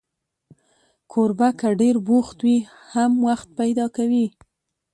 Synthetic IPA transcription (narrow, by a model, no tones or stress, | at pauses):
kʰoɾbakəɖeɾboxt̪wi | hamwaxt̪̚pajd̪ɑkawi